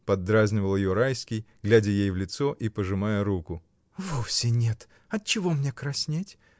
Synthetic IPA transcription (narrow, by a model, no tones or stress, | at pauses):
pɐd̪ːɾazʲnʲɪvəlˠjjoɾajsʲkʲɪjɡlʲædʲəjejvlʲɪt̪soʔipəʐɨmajəɾukʊ | vofsʲɪnʲet̪ | ɐt̪̚t͡ɕɪvomnʲekɾɐsʲnʲetʲ